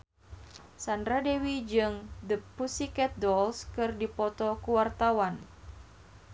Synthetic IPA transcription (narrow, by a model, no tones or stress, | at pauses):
sandɾadewid͡ʒɨŋdəpusikɛt̪̚dɔlskɨrdipɔt̪ɔkuwart̪awan